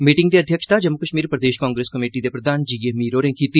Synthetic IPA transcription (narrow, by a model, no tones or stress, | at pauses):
miːʈɪ̃ŋɡd̪iəd̪ʱjəkʃt̪ad͡ʒəmːʊkəʃmiːɾpɾəd̪eːʃkãːŋɡɾeːskəmeːʈid̪epɾəd̪aːnd͡ʒijemiːɾoːɾẽːkiːt̪i